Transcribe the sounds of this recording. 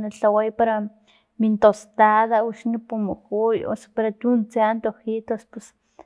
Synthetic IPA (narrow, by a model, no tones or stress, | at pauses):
naɬawajpaɾa | mint̪ost̪aðauʃnipumukujo̰sḁpaɾat̪unt͡seant̪ohit̪ospus